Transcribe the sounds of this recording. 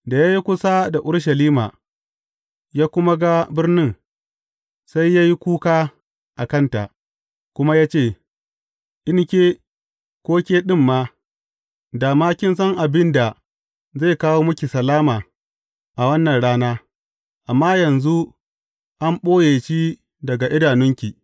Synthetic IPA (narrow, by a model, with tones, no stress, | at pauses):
da˨jaː˦ji˦kʷʊ˦sa˦da˨ʔʊ˦ɽʃɐ˨liː˦ma̰ː˨ | jaː˦kʷʊ˦ma˦ɡa˦bɪ˦rnɪ˦ŋ | sa˦jːaː˦ji˦kʷuː˦kaː˦ | ʔa˨kɐ˦nta̰˨ʔ | kʷʊ˦ma˦jaː˦t͡ʃeː˦˨ | ʔɪ˦ŋ˦kʲeː˦ | kʷoː˦kʲeː˦ɗɪ˦˨mːaː˦ | daː˨maː˦kʲɪ˦ns̬ɐ˦ŋʔa˨bɪ˦nda˨ | za˦˨kaː˦woː˦mʊ˦kʲi˨sɐ˨laː˦maː˨ | ʔa˨wɐ˦nːɐ˨nɽaː˦naː˦ | ʔa˨mːaː˦jɐ˨nzu˦ | ʔa˦mɓoː˦jeː˨ʃi˦ | dɐ˨ɡa˨ʔɪ˦daː˨nʊ˦ŋkʲi˨